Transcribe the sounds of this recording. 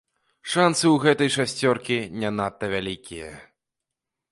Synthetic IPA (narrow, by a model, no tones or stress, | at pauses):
ʂansɨwɣɛt̪ɐjʂasʲt͡sʲɔrkʲinʲanat̪ːɐvʲalʲikʲijɐ̰